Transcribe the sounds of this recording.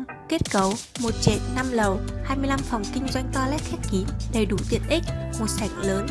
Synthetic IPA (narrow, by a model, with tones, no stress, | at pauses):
ke˦˥t̚kə˨˦wmo˨˩t̚t͡ɕḛ˧˨nːa˧mlə˨˩whaː˧jmɨ˧jla˧mfa˨˩wŋ͡mkï˧ŋ̟zwa˧jŋ̟t̪ɔ˧lɛ˦˥t̚xɛ˦˥t̚ki˨˦nɗe˧˩ɗu˧˩t̪ḭ˧˨ənʔï˦˥k̟̚mo˨˩t̚sa˨˧˩jŋ̟̚ləː˨˦n